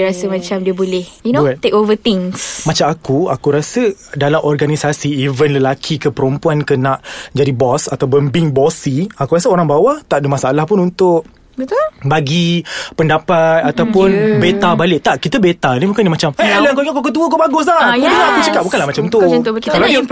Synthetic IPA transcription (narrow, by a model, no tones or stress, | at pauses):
ɾasəmãt͡ʃamdiəbolɛhnoat̪ekovət̪ɪ̃ŋsmat͡ʃamakuakuɾasədalamɔrɡanisasiːvənləlakʰikəpəɾumpuankənaʔd͡ʒadibɔsat̪awpənbiŋbɔsiakuɾasəoɾaŋbawat̪aʔdəmasaːlahpʊnunt̪ʊʔ | bət̪ubaɡipəndapat̪̚at̪awpʊnbet̪abalɪʔ̚t̪aʔkit̪əbet̪anĩbukanimat͡ʃaməaləaŋkoŋakokət̪̬uəkubaɡʊs̬lahakudiŋaakut͡ʃəkap̚bukanlahmat͡ʃamt̪ut̪kalad